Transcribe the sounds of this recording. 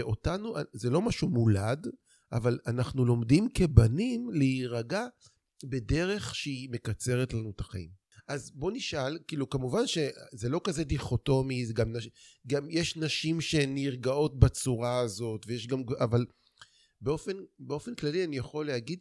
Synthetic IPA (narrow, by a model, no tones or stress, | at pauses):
eʔo̞tanuazelo̞maʃumulad | ʔavalanaχnulo̞mdimke̞banimleiʁaɡa | be̞de̞ʁe̞χʃeime̞kat͡se̞ʁetlanut̪aχaḭm | ʔazbo̞niʃʔalkiːlukamuvanʃe̞zelo̞kaze̞diχo̞to̞mizeɡamnaʃɡamjeʃnaʃimʃe̞niʁɡao̞tbat͡suʁaːzo̞tvejeʃɡamɡʔaval | beo̞fe̞nbeo̞fe̞nklalianijaχo̞lehaɡid̪